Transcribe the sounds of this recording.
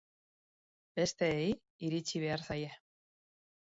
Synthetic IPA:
b̥e̞st̪e̞ːj | iɾit͡ʃiβ̞e̞aɾsaje

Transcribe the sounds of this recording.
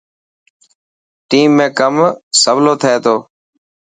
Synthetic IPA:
ʈiːmːẽːkəmsəʋloːt̪ʰəeːt̪ʰoː

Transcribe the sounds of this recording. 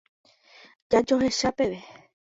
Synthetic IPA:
d͡ʒad͡ʒo̞ɦe̞ʃape̞ʋe

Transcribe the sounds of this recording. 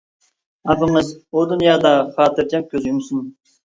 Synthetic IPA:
ɑpɨŋɨzud̪unjɑːd̪ɑχɑːt̪ʰɨɾd͡ʒɛp̚kʲʰøzjumsʊn

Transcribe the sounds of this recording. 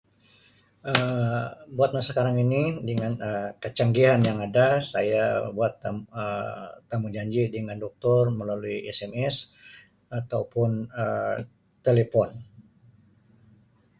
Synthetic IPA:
ə | buat̪̚nasəkaɾaŋinidəŋanəkət͡ʃaŋɡiɦanjaŋadasajabuat̪aət̪ːamuŋd͡ʒaɲd͡ʒidəŋandɔk̚t̪ʊrməlaluiɛsɛmɛs | at̪aupʊnə | t̪elepɔn

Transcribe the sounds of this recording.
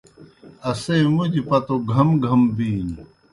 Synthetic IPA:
ɐseːmud͡ʑipɐt̪oɡʱɐmɡʱɐmbiːni

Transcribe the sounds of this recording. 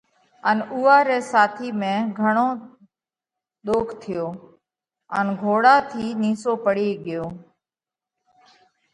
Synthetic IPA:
ənuːaːɾeːsaːt̪ʰiːmẽːɡʱəɳ̃oː | ɗ̪oːkʰt̪ʰɪjoː | ənɡʱoːɽaːt̪ʰiːniːsoːpəɽiːɠɪjoː

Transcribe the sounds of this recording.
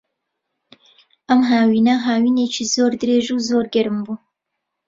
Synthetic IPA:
ʔɐmɦaːwiːnɐɦaːwiːneːt͡ʃʰiːzoːɾd̪ɨɾeːʒuwzoːɾɡɛɾɨmbuː

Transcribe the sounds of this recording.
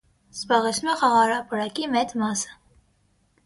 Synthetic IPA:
z̥bɑʁɛt͡sʰnumɛχɑʁɑɾɑpəɾɑkimɛt͡smɑsə̥

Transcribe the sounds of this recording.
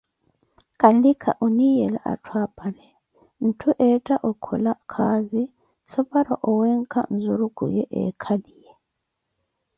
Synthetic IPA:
kʼandikʰa̰ʔunijɛla̰ʔa̰tʰwapʼalɛ | n̩tʰuʔɛtʼaʔɔkʰɔlakʰazi | sɔpʼaɾa̰ʔɔwɛŋ̩kʰʼa̰n̩zuɾukʼṵjɛʔɛ̰kʰadijɛ

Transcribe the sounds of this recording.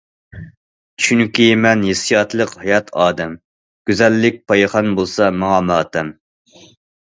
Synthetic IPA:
t͡ʃʰyŋkʲimɛnjesijɑt̪lˠəqhɑjɑt̪ʰɑːd̪ɛm | ɡ̥ʲyzɛlːɪk̚ʲpʰɑjχɑnbolˠsɑmɑŋɑmɑːt̪ʰɛm

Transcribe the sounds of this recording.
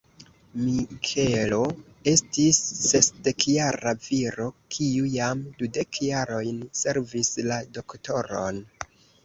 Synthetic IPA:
mikʰelo | e̞stisːe̞sde̞kjaɾaviɾo̞kʰiujamdude̞kjaɾo̞jnse̞ɾvislado̞kto̞ɾo̰n

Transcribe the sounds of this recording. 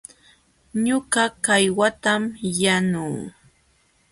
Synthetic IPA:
ɲʊɢɑkajwat̪amjanuː

